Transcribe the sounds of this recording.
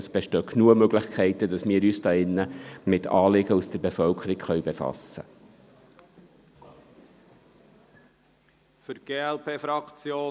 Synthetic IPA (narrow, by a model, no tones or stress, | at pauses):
əsb̥ɛʃtœːkʰnuəmøɡlɪχkʰɛɪtədɑsmɪːɾyːsd̥ɑːɪnːəmɪtɑːlɪɡəusd̥əɾbefœlkʰəɾikχœʏɥbefɑ̰sːə̰ | fʏɾɡ̥eːɛlpʰeːfɾɑkt͡sjoː